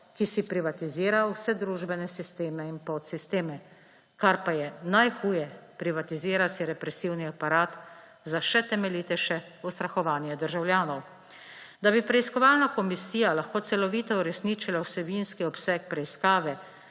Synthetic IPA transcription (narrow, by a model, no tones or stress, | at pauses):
kisipɾiʋat̪iziːɾawsɛd̪ɾuːʒbɛnɛsist̪eːmɛinpɔt̪sist̪eːmɛ | kaɾpajɛnajxuːjɛpɾiʋat̪iziːɾasiɾɛpɾɛsiːwniapaɾaːt̪ | zaʃɛt̪ɛmɛliːt̪ɛʃɛ | ust̪ɾaxɔʋaːnjɛd̪əɾʒawljaːnɔw | d̪abipɾɛiskɔʋaːlnakɔmisiːjalaxkoːt̪sɛlɔʋiːt̪ɔuɾɛsniːt͡ʃilawsɛbinskiɔpsɛk̚pɾɛiskaːʋɛ